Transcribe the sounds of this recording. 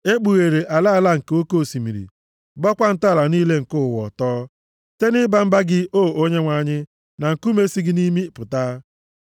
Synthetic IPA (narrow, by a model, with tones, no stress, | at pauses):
e˦k͡pu˨ɣe˨ɾe˨ʔa˨la˦˨la˦ŋ̩˨ke˨˦o˦ko˦˨si˨mḭ˨ɾḭ˨ | bɔ˦kʷa˦n̩˦ta˦˨la˨niː˦le˦ŋ̩˨kʊ˦ʊ˨wɔ̰˨tɔː˦ | te˦nɪ˦ba˦m̩˦ba˦ɡɪ˦ʔo˦˨ʔo˦ɲe˦ŋʷa˨˦˨ɲɪ˦ | na˨ŋ̩˨ku˦me˦si˦ɡɪ˦ni˦mi˦pʊ˨ta˦